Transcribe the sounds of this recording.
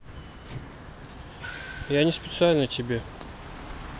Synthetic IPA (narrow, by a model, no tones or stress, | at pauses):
janʲɪspʲɪt̪sɨalʲnət̪ʲɪbʲe